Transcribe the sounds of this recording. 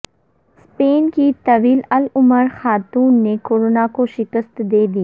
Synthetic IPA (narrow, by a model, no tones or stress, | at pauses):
speːnkit̪ɐʋiːlɐlʊməɾxaːt̪uːnːekoːɾoːnakoʃɪkəst̪d̪eːd̪i